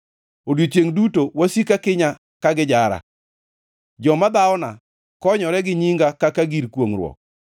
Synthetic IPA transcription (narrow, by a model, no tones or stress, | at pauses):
odjot͡ʃeŋdutowasikakɪɲa | kaɡɪd͡ʒaɾa̰ | d͡ʒɔmad̪aɔna | kɔɲɔɾɛɡɪɲiŋɡakakaɡiɾkwoŋɾwɔ̰k̚